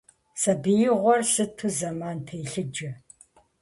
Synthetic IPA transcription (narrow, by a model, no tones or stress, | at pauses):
sɐbɨjɪʁʷɔrsɨtʰuzɐmaːntʰejɬɨd͡ʒɐ